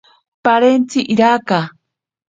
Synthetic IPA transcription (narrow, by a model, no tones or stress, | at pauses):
paɾent͡siʔiɾaka